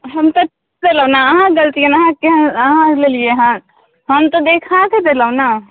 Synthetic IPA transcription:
ɦəmt̪oʈʰikd̪eləːnaəɦãɡəlt̪ienaɦãkẽəɦãlelieɦã | ɦəmt̪od̪eːkʰãked̪eːləʊna

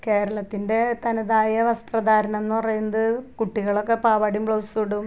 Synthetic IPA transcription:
ke̞ːɾɐɭɐt̪ːinde̞t̪ɐnɐðaːjɐʋɐst̪rɐd̪aːɾɐne̞nːɨpɐrɐjunːɐðɨkuʈːiɣɐɭo̞kːe̞paːʋaːɽiumpɭowsuɽum

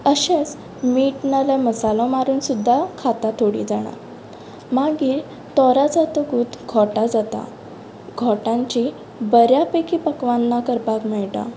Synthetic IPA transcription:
əɕẽs | miʈnalaməsalɔmaɾuːnsud̪ʱːakʰat̪at̪ʰoɽḭd͡zaɽ̃a̰ɾ | maɡiːɾ | t̪ɔɾad͡zat̪əɡuːt̪ɡʱɔʈad͡zat̪a̰ | ɡʱɔʈãɲt͡ɕi | bəɾjapekiːpəkʋanːakəɾpakmɛɭʈ̪a̰

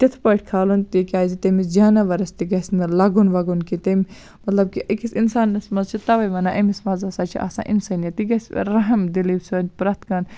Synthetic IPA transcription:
t̪it̪ʰpɐʈʰʲkʰaːlunt̪ikʲaːjzit̪ɐmisd͡ʒaːnɐʋɐɾɐst̪iɡɐsʲnɐlɐɡunʋɐɡunkit̪ɐm | mɐt̪lɐb̚kiʔikisinsaːnːɐsmɐzt͡ʃʰit̪ɐʋɐjʋɐnaːʔɐmismɐːzɐsaːt͡ʃʰḭʔa̰sa̰ːʔḭnsanijɐt̪iɡɐsʲɾɐɦɐmd̪iliːbsoːnʲpɾɐt̪ʰkaːn

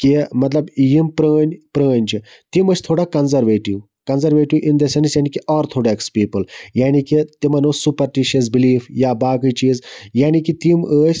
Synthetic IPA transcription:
kimɐt̪lɐbjimpɾəːnʲpɾəːnʲt͡ʃi | t̪iməst̪ʰoɽakɐnzɐɾʋeːʈiw | kɐnzɐɾʋeːʈiwʔind̪ɐsɐnisjanikiʔɔːɾt̪ʰoːɽaekspiːpəljaːnikit̪imɐnosupɐɾʈiʃɐs̬biliːfjabaːkət͡ʃiːzjaːnikit̪iməsʲ

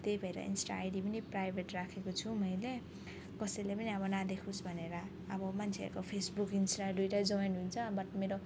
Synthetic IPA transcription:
t̪ejbʱʌeɾʌ̰ḭnsʈa̰ːjɖipʌniprajbʱeʈrakʰekot͡sʰumʌjle | kʌsʌjlepʌniʌbʌnad̪ekʰusbʱʌneɾʌ | ʌbʌmant͡sʰeʌ̰ɾukopʰesbukinsʈaɖujɾad͡zʌwenɦunt͡sʰʌbʌʈmeɾo

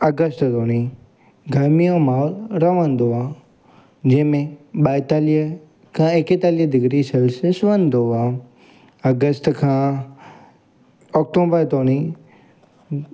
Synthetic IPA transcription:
ɐɡəst̪t̪oːni | ɡʱɐɾmijõmaːlɾɐʋə̃n̆d̪oaː | d͡ʑɐ̃ɦɪ̃mẽɓaːɪt̪aːliɦ | kʰãːeket̪aːliɦəd̪ɪɡɾisɐlsesʊə̃n̆d̪oaː | ɐɡəst̪kʰãː | ɔːk̚ʈoːbəɾt̪oːni

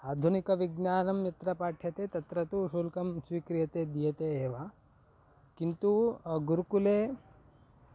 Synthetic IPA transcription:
aːd̪ʱunikɐʋiɡnaːnɐmjɐt̪ɾɐpaːʈʰjɐt̪eːt̪ɐt̪ɾɐt̪uʃuːlkɐmsʋiːkɾijɐt̪eːd̪ijɐt̪eːʋɐ | kint̪uɡuɾukuleː

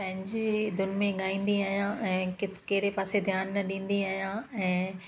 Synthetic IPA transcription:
pɐ̃ɦɪ̃ɲd͡ʑed̪ʊnmẽɠaːĩːnd̪iaːɦjãʔɛ̃ːkɪkeɦɪɾepaːsed̪ʱjaːnːɐɗĩːnd̪iaːɦjãːɛ̃ː

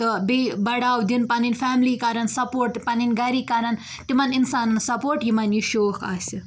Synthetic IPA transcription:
t̪ɨbibɐɽaːwd̪inpɐninfʰamlikɐɾɐnsɐpoːɾʈpɐninɡɐɾikɐɾɐn | t̪imɐninsaːnnsɐpoːɾʈjimɐniʃoːkʰa̰si

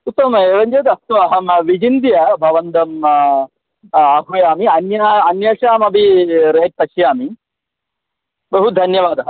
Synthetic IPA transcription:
ut̪ːɐmeːʋɐɲd͡ʒeːd̪ɐst̪uɐɦɐmʋid͡ʒind̪ijɐbʱɐʋɐnt̪ɐm | ɐɦujaːmiɐnjaːɐnjaːʂaːmɐbʱiɾɐɦeʈ̪̚t̪ɐʃjaːmi | bɐɦud̪ʱɐnjɐʋaːd̪ɐɦɐ

